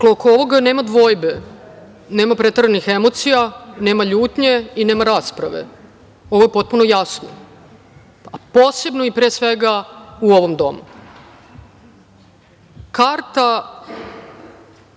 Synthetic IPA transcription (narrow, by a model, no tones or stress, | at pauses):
klokooʋo̞ɡane̞ːmad̪ʋo̞ːjbe̞ | ne̞ːmapɾe̞t̪r̩anixe̞mo̞t̪sijane̞ːmaʎuːt̪ɲe̞ine̞ːmaɾaːspɾaʋe̞̰ | oʋo̞je̞po̞t̪̚puno̞jasno̰ | apoːse̞bno̞ipɾeːsʋe̞ɡauo̞ʋo̞md̪o̞̰mu | kaɾt̪a